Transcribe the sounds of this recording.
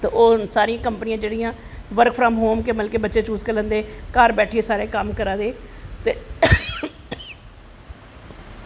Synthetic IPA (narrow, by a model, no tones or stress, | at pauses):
t̪eːʔoːsaːɾɪjãːkəmpənɪjãːd͡ʒeːɽɪjãː | ʋəɾkfʰɾmɦoːmkeːməlkeːbətːʃeːt͡ʃuːskəɾə̃nd̪eːkaːɾbɛːʈʰieːsaːɾeːkəmkəɾãːd̪eːt̪eː